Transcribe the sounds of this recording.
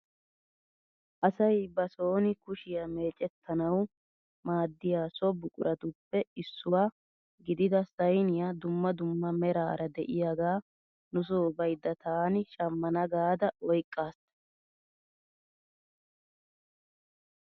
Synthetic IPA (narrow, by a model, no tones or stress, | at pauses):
ʔɐsɐjbɐso̞ːnɪkʊʃɪjɐme̞ːt͡ʃʼɛt̪ʰːɐnɐw | maːd̪ːɪjaːsɔbʊkʼʊɾʔɐt̪ʊpːɛɪsːʊwaː | ɡɪd̪ɪd̪ɐsɐjnɪjad̪ʊmːɐd̪ʊmːɐmɛɾa̰ːɾɐd̪ɛʔɪjaɡaː | nʊs̬oːbɐjd̪ːɐt̪ʰaːnɪʃɐmːɐnɐɡaːd̪ɐɔjkʼːaːst̪ɐ